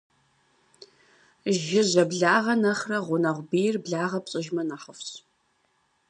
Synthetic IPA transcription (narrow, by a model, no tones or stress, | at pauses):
ʒɪʑɐbɮaːʁɐnɐχrɐʁʷʊnɐʁʷbijrbɮaːʁɐpɕʼɪʒmɐnaːħəfɕ